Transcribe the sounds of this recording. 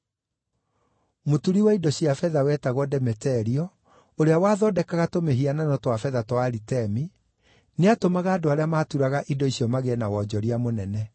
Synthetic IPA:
motuɾiwaidɔɕjafɛðawɛtaɣwɔdɛmɛtɛɾiɔ | oɾeawaðɔdɛkaɣatomeɦiananɔtwafɛðatwaɾitɛmi | neatomaɣaːdoaɾeamaːtuɾaɣaʔidɔisiɔmaɣeɛnawɔd͡ʑɔɾiamonɛnɛ

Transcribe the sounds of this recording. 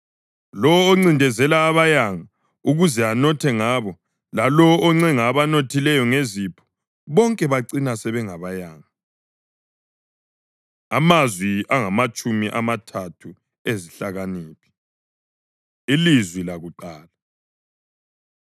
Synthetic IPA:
lɔːŋ͡ǀindʱɛzɛlaːβajaŋa | uɣuzɛanɔtʰɛŋaβɔ | lalɔʔːŋ͡ǀɛŋaːβanotʰilɛjɔŋezipʰɔ̥ | βɔŋkʼɛβaǀinasɛβɛŋaβajaːŋa | amazwiaŋamat͡ʃʼumiʔamatʰatʰu | eziɬaɣaniːpʰi̥ | ilizwilaɣuǃaːla

